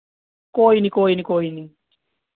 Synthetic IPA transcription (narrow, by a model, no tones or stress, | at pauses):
koːinikoːinikoːini